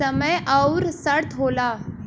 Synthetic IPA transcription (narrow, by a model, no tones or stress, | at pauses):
əməjəwɾsəɽt̪ʰɦola